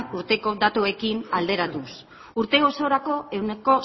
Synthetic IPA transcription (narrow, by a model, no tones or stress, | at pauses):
nuɾt̪e̞ko̞d̪at̪ue̞kinald̪e̞ɾat̪us | uɾt̪e̞ɣo̞so̞ɾako̞e̞wneko̞